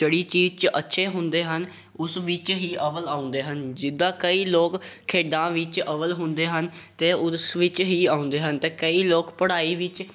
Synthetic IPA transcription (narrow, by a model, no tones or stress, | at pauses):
d͡ʒeɽiːt͡ʃiːd͡ʒt͡ʃʔətːʃʰeːɦʊ̃nd̪eːɦən | ʊsʋɪt͡ʃɦiːʔəʋəlaːʊ̃nd̪eːɦənd͡ʒɪd̪ãːkəiːloːkkʰːeːɖãːʋɪt͡ʃəʋəlɦʊnd̪eːɦənt̪eːʊsʋɪt͡ʃɦiːaːʊ̃nd̪eːɦənt̪eːkəiːloːkpəɽaːiːʋɪt͡ʃ